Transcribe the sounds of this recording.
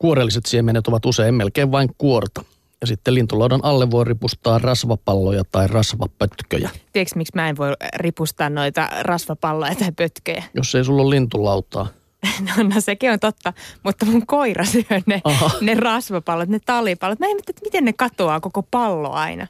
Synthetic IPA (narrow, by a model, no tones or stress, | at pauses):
kuoɾelːiset̪siemenːet̪oʋɑt̪useimmelkeːʋʋɑiŋkuort̪ɑ̥ | jɑsit̪ːelint̪ulɑudɑnʔɑlːeʋʋoiripust̪ɑːrrɑsʋɑpɑlːojɑt̪ɑirɑsʋɑpøt̪kø̰jæ̰t̪ieksmiksmæːeʋʋoiripust̪ɑːnnoit̪ɑ̰rɑsʋɑpɑlːojɑt̪ɑipøt̪kø̰jæjosːeisulːollint̪ulɑut̪ɑ̰ː | nonːosekiont̪ot̪ːɑmut̪ːɑmuŋkoirɑsyønneɑɑnerɑsʋɑpɑlːot̪net̪ɑlipɑlːot̪mæimːæt̪ːæet̪mit̪ennekɑt̪oɑːkokopɑlːo̰ɑ̰inɑ̰